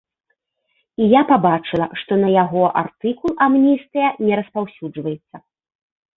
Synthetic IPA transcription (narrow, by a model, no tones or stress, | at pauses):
ijapabat͡ʂɨlˠɐʂt̪ɔnɐjaɣɔʔa̰rt̪ɨkulˠamnʲijst̪ɨjɐnʲɛɾɐspawsʲud͡ʐvɐjɛt̪sːɐ